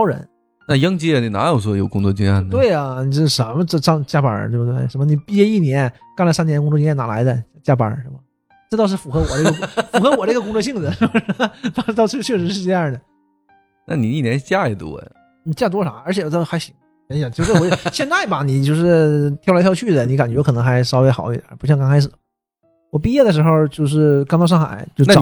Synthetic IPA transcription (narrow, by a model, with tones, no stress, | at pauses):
ɑ˥ʊɻə̰˧˥n | na˥˧jɑ˥ŋt͡ɕjɛ˥˩ni˨˩na̰˧˥jo˨˩ʊʂwɔ˥jo˨˩ʊkʊ˥t͡swɔ˥˧t͡ɕy˥ŋjɑ̰˥˩t̪we˥˩ɪɐ˩ni˨˩t͡ɕo˥˩˧ʂə˧˥mə˧ʈ͡ʂə˥˩ʂɑ˥ŋt͡ɕja˥pə̰˨˥t̪wbt̪we˥˩ɪʂə˧˥mə˧ni˨˩pi˥˧t͡ɕjɛ˥˧i˥˩njɛ˧˥n | kŋlə˧˩sa˥njnkʊ˧˥ŋt͡swɔ˥˩i˥jɛ˥˩na˨˩la̰˧˥ɪd̪ə˧˥t͡ɕja˥pə̰˨˥ʂə˧˥˩mɐ˨˩ | ʈ͡ʂɤ˥˧t̪ɑ˥˧ʊʂɻ̩˥˩fu˨˩xɤ˧˥wɔ˨˩n˥˩ɡə˧˥fu˧˨˩xɤ˧˥wɔ˨˩ʈ͡ʂɡəkʊ˥ŋt͡swɔ˥˧ɕ̬i˥˩ŋd͡zə˩˥˧ʂt̪ɑ˥ʊ˥t̪ɑ˥˧ʊt͡ɕʰt͡ɕʰɥɛ˥˩ʂɻ̩˧˥ʂ̬ɻ̩˥˧ʈ͡ʂɤ˥˧jɑ˥˩d̪ə˩ | na̰˥˩ni˨˩i˥˩njɛ˧˥n˧˩t͡ɕja˥˩ɛ˨˩t̪wɔ̰˥˧˩ | n̩˨˩t͡ɕja˥˩t̪wɔ˥˩ʂɑ˨˩˦ə˞˧˥t͡ɕʰɛ˨˩txa˧˥ɪɕi˧˥ŋ | a˧˥jɑ˨˩t͡ɕjʈ͡ʂwɕjɛ˥˧nt͡sa˥˩ɪbɐ˩ni˨˩t͡ɕjo˥˧ʊʂɻ̩˥˩t̪ʰjʊlʰɑ˥˧ʊt͡ɕʰy˥˩d̪ə˩ni˧˥ka˨˩nt͡ɕɥɛ˧˥kʰɤ˨˩nɤ˧˥ŋxa˧˥ɪʂɑ˥ʊe˧˥ɪxɑ˨˩ʊi˧˩˧ə̰˧˥pu˧˥ɕjŋkɑ˥ŋʰka˥ɪʂɻ̩˨˩˦ | wɔ˨˩pi˥˧jɛ˥˩d̪ə˩ʂ̬ɻ̩˧˥xo˥˧ʊt͡ɕjo˥˧ʊʂ̬ɻ̩˥˩kŋt̪ɑ˥˧ʂɑ˥˩ŋxa̰˨˩˦ɪt͡ɕjo˥˧ʊ˥